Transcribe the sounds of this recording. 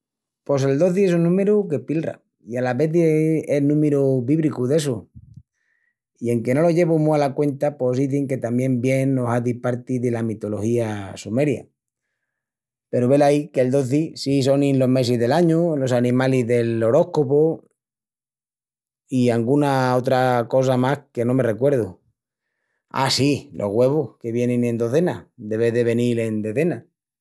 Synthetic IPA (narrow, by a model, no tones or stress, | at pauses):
po̞s̬e̞ld̪o̞ðiesunːũme̞ɾuke̞pilra̰ | ialaβe̞θienũmeɾuβiβɾikuðe̞su | ie̞ŋke̞no̞loʝe̞βumualakwe̞nt̪apo̞siθeŋke̞t̪amje̞mbje̞nːosaðipaɾt̪iðe̞lamit̪o̞lo̞xiasume̞ɾja̰ | pe̞ɾoβe̞laikeld̪o̞θisis̬o̞nĩnlo̞ɦme̞siðe̞laɲulo̞sanĩmaliɦðe̞lo̞ɾo̞hkopo | iaŋɡunao̞t̪ɾako̞s̬amahke̞nõme̞re̞kwe̞ɾð̞u | a̰silʔo̞̰ɦɣwe̞β̞ohke̞βje̞nẽnẽ̞nd̪o̞θe̞nad̪e̞βeðe̞βe̞nile̞nd̪oθe̞na